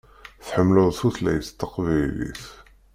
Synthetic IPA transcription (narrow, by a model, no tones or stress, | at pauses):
θħəmːləðˤθuθlæ̰jəst̪ːəqvæilḭθ